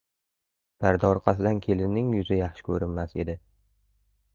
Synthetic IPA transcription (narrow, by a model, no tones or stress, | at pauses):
b̥aɾd̪ɒɾqʰɑsɪd̪ankʲʰe̞lɪnːɪŋjʊzɪjɑχʃɪ̥kʲʰɵɾɪnmase̞d̪ɪ